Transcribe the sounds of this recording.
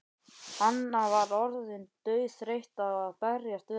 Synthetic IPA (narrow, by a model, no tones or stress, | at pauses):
hanːavaɾɔɾðɪnt̪œːɥθɾejht̪aðaðpɛɾjast̪vʏ